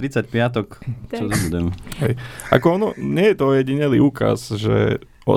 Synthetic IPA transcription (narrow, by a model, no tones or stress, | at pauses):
ɾit͡sacpɪat̪ɔk̪t͡ʃɔt̪ɔbudɛmɦɛjʔa̰kɔɔnɔɲɪɛjɛt̪ɔɔjɛɟiɲɛliuːka̰zʒɛ̰ | ɔ̰